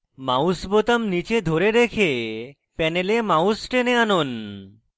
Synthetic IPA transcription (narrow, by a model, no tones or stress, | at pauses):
mawsbot̪amnit͡ɕed̪ʱoɾeɾekʰe | pɛnelemawsʈeneanon